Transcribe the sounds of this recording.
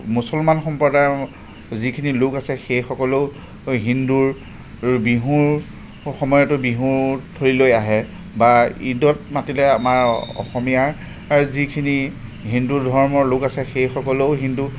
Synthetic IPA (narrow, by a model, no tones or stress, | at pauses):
musɔlmanxɔmpɔda | zikʰinilʊkasɛxejxɔkɔloʊ | ɦinduɹ | biɦuɹ | xɔmɔjɔtʊbiɦuɹtʰoɹilojaɦɛ | baḭdɔt̚matilɛamaɹɔ̰xɔmijaɹ | aɹuzikʰiniɦindudʱɔɹmɔɹlʊkasɛxejxɔkɔloʊɦindu